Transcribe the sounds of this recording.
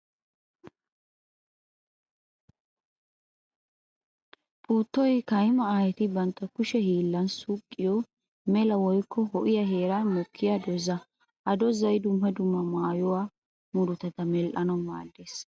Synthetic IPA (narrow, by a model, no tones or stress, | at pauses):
pʼuːt̪ːɔjkɐjmɐaːjɛt̪ɪbɐnt̪ːɐkʊʃɛhiːlːɐnsʊkʼːɪjɔ | mɛlɐwɔjkːɔhɔʔɪjɐɦe̞ːɾɐmɔkʰːɪjɐd̪ɔzɐ | ʔɐd̪ɔzɐjd̪ʊmhɐd̪ʊmːɐmaːjɔwaː | mʊdʊt̪ɐt̪ɐmɛlʔɐnɔma̰ːd̪ːeːs